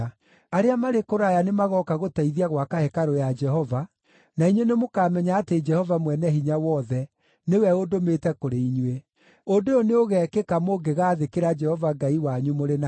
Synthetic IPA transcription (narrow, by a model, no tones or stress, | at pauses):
aɾeamaɾekoɾajanemaɣɔkaɣotaiðiaɣwakahɛkaɾojad͡ʒɛɦɔva | naiɲwenemokaːmɛɲaːted͡ʒɛhɔvamwɛnɛɦiɲawɔðɛ | newɛodometɛkoɾeiɲwe | ondeoneoɣɛːkekamoɡeɣaːðekeɾad͡ʒɛhɔvaɡaiwaɲumoɾena